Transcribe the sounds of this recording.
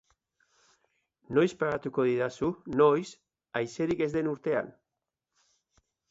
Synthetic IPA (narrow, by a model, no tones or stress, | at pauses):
nojspaɣat̪ukoðiðasunojs | ajseɾike̞zðenuɾt̪e̞a̰n